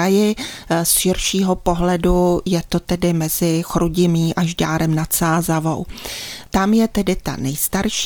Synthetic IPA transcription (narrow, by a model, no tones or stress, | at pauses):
ajɪsʃɪɾʃiːɦopo̞ɦlɛdujɛt̪ot̪ɛdɪmɛzɪxɾuɟɪmiːʔaʒdaːɾɛmnat̪saːzavo̰wt̪amjɛt̪ɛdɪt̪a̰nɛjst̪aɾʃ